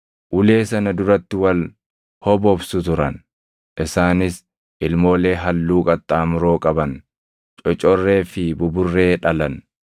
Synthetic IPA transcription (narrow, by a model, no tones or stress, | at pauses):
ʔʊle̞ːsɐnɐd̪ʊɾɐt̪ːɪwɐl | hɔbɔbsʊt̪ʊɾɐn | ʔɪsaːnɪs | ʔɪlmo̞ːle̞ːɦɐlːuːkʼɐt̪ʼːaːmʊɾoːkʼɐbɐn | t͡ʃʼɔt͡ʃʼɔrːe̞ːfɪbʊbʊrːe̞ːᶑɐlɐn